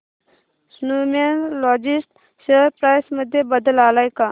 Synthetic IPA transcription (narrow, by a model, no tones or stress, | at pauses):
snumenlɔːd͡ʒɪsʈ | seɾpɾaːjsməd̪ʱjebəd̪əlaːlaːjka